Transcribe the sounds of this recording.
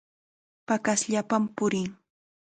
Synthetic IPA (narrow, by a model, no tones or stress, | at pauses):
pakasʎapampʊɾɪŋ